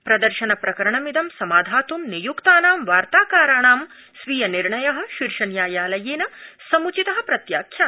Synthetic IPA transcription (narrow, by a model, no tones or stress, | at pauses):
pɾɐd̪ɐɾʃɐnɐpɾɐkɐɾɐɳɐmid̪ɐmsɐmaːd̪ʱaːt̪umnijukt̪aːnaːmʋaːɾt̪aːkaːɾaːɳaːm | sʋiːjɐniɾɳɐjɐɦɐ̆ʃiɾʃɐnjaːjaːlɐjeːnɐsɐmut͡ʃit̪ɐɦɐ̆pɾɐt̪jaːkʰjaː